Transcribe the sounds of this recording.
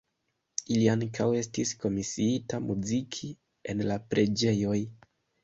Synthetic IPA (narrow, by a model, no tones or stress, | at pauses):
iliaŋkawe̞stisko̞misiitamuzikʰi | e̞̰nlapɾe̞d͡ʒe̞jo̞j